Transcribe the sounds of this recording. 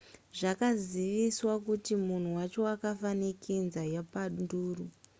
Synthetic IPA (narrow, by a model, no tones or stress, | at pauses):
ʐakaziʋiswakutimun̤uwat͡ʃo̞akafanikʰinzajapaɗduːru